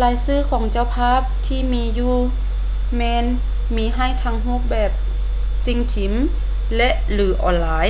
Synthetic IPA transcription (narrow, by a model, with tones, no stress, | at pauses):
laː˨˦jsɯː˧˥˩kʰɔː˨˩˦ŋt͡ɕa˧˩wpʰaː˥˨p̚t̪ʰiː˧˩miː˧˥juː˧˩ | mɛː˧n | miː˧˥ɦa˧˥˩jt̪ʰaː˧ŋɦuː˧˥˩p̚bɛː˨˩p̚ | si˧˥ŋt̪ʰi˨˦m | lɛ˧ʔlɯː˩˦ʔɔ̰ː˨˦nlaː˧j